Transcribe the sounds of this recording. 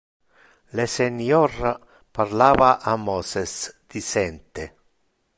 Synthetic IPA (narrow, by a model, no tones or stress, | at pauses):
lesenjɔɾa | paɾlaːvaʔamɔsesd̪̥isɛnt̪e